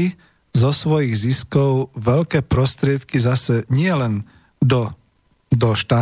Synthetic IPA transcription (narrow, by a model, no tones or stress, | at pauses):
i | zɔsʋɔjiɣziskɔʊʋɛʎkɛːpɾɔst̪ɾɪɛt̪kizasɛɲɪɛlɛn | d̪ɔ | d̪ɔʃt̪aː